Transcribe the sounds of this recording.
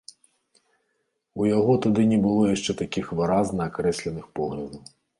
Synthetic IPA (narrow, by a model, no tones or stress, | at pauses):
ujaɦɔt̪ʊd̪ɪnʲɛbɨlˠɔjaʃt͡ʂɛt̪akʲixʋɨɾaznɐɐkɾɛsʲlʲɛnɨxpɔɣlʲɐd̪ɐw